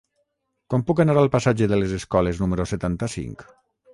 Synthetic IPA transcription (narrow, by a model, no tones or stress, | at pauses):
kɔmpukanaɾalˠpasad͡ʒeðelezeskɔleznumeɾoset̪ant̪asḭŋk